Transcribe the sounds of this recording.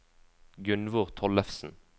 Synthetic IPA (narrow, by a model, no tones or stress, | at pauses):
ɡʉnʋʊːʁt̪ʰɔləfsn̩